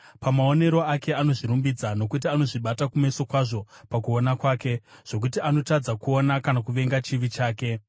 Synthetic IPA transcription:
pamaone̞ɾo̞ake̞ano̞ʐiɾumbid͡zano̞kutiano̞ʐiɓatakume̞so̞kwaʐo̞pakuonakwaːke̞ʐ̥o̞k̬utiano̞tad͡zakuo̞nakanakuʋe̞ŋɡat͡ʃiʋit͡ʃaːke̞

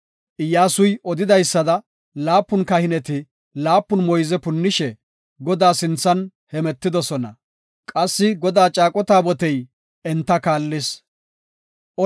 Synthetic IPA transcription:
ʔɪjaːsʊjɔd̪ɪd̪ɐjsːɐd̪ɐ | laːpːʊnkɐhɪnɛt̪ɪ | laːpːʊnmɔjzɛpʊnːɪʃɛ | ɡɔd̪aːsɪnt͡sːɐn | hɛmɛt̪ːɪd̪ɔsɔnɐ | kʼɐsːɪɡɔd̪aːt͡ʃʼaːkʼɔt̪aːbɔt̪ɛj | ʔɛnt̪ːɐkaːlːɪs | ʔɔ

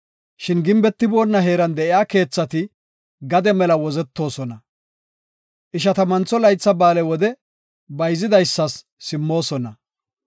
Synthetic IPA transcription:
ʃɪnɡɪmbɛt̪ːɪbo̞ːnːɐɦe̞ːɾɐnd̪ɛʔɪjaːke̞ːt͡sːɐt̪ɪ | ɡɐd̪ɛmɛlɐwɔzɛt̪ːo̞ːsɔnɐ | ʔɪʃɐt̪ɐmɐnt͡sːɔlɐjt͡sːɐbaːlɛwɔd̪ɛ | bɐjzɪd̪ɐjsːɐsː | ɪmːo̞ːsɔnɐ

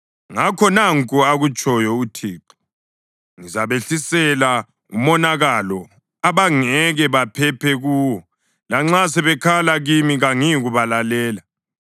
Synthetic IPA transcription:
ŋakʰɔnaŋkʼɔaɣut͡ʃʼɔjɔutʰiːǃi | ŋizaβeɬisɛla | ṵmɔnaɣalɔ | aβaŋɛɣɛβapʰɛpʰɛɣuːwɔ | laŋ͡ǁasɛβɛkʰalaɣimiɣaŋiɣuβalalɛːla

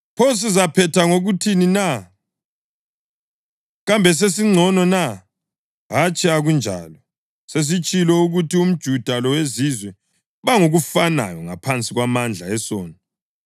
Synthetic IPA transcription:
pʰos̬izapʰɛtʰaŋoɣutʰinina | ɣambʱɛs̬es̬iŋ͡ǀʱɔnɔna | ɦat͡ʃʼiaɣund͡ʒʱa̰ːlɔ | ses̬it͡ʃʼilɔuɣutium̩d̥ʒ̥ʱud̥ʱalɔwezizwɛ | βaŋoɣufana̰jɔŋa̰pʰant͡sʼiɣwamand͡ɮʱaɛsɔːna

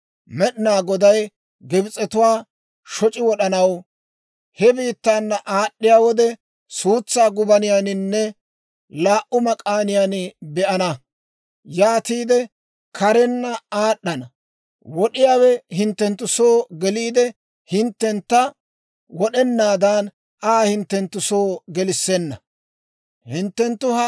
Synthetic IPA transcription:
mɛɗɪnaːɡɔd̪ɐj | ɡɪbɪt͡sʼɛt̪ʊwaː | ʃɔt͡ʃʼɪwɔɗɐnɐw | hɛbiːt̪ːaːnːɐʔaːɗːɪjaːwɔd̪ɛ | suːt͡sːaːɡʊbɐnɪjaːnɪnːɛ | laːʔʊmɐkʼaːnɪjaːnɪbɛʔɐnɐ | jaːt̪iːd̪ɛ | kʰɐɾɛnːɐaːɗːɐnɐ | wɔɗɪjaːwɛhɪnt̪ːɛnt̪ːʊso̞ːɡɛliːd̪ɛ | hɪnt̪ːɛnt̪ːɐ | wɔɗɛnːaːd̪aːn | aːhɪnt̪ːɛnt̪ːʊsoːɡɛlɪsːɛnːɐ | hɪnt̪ːɛnt̪ːʊhɐ

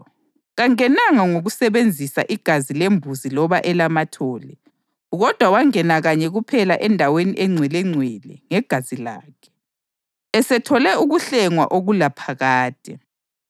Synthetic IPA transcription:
ɣaŋɛnaŋaŋoɣusɛβend͡zʱisa̰ʔiɡ̥ʱazilembʱuzilɔβaʔɛlamatʰɔːlɛ | ɣɔd̥ʱwawaŋɛnaɣaɲɛɣupʰɛlaʔɛndʱaweniʔɛŋ͡ǀʱwɛlɛŋ͡ǀʱwɛlɛŋɛɡ̥ʱazila̰ːkʰɛ̥ | ɛsɛtʰɔlɛuɣuɬɛŋwa̰ʔoɣulapʰaɣaːd̥ʱɛ

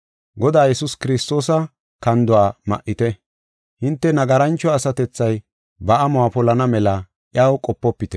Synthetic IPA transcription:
ɡɔd̪aːjɛsʊskɪɾɪst̪o̞ːsɐ | kɐnd̪ʊwaːmɐ̰ʔːɪt̪ɛ | hɪnt̪ːɛnɐɡɐɾɐnt͡ʃːɔɐsɐt̪ɛt͡sːɐj | bɐʔɐmʊwaːpɔlɐnɐmɛlɐ | ʔjaːwkʼɔpːɔpːɪt̪ɛ

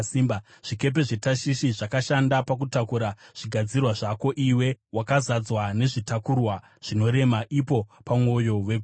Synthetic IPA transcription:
siːmba | ʐ̥ike̞p̬e̞ʐe̞taʃiʃiʐakaʃandapak̬utakuɾaʐ̥iɡʱad͡zirwaʐako̞ʔiwe̞wakazad͡zwane̞ʐitakurwa | ʐ̥ino̞ɾe̞maʔipo̞pamwo̞jo̞we̞ɡʱ

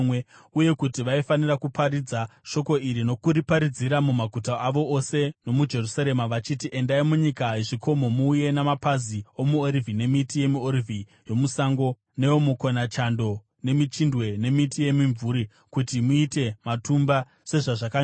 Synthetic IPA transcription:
we | uje̞kutiʋaifanirakupʰaɾid͡zaʃo̞ko̞iɾino̞kuɾipaɾid͡ziɾamumaɡʱutaʔaʋo̞ʔose̞no̞mud͡ʒe̞rusaɾe̞maʋat͡ʃitiʔe̞ndaimuɲikaeʐiko̞mo̞muːje̞namapazio̞muorivʱine̞mitije̞muoɾivʱi | jo̞musaŋɡo̞ | ne̞omukonat͡ʃando̞ | ne̞mit͡ʃindwe̞ne̞mitije̞miɱvuɾi | kutimuite̞matumba | se̞ʐaʐaka

